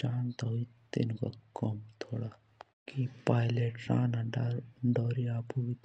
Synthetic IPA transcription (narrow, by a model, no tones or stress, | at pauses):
t͡ʃaːnt̪ɔit̪ḛnkɔ̰kɔmt̪ʰoːɽa | kipaːjleʈsa̰ːnaɖaɾɖɔɾiapuʋit̪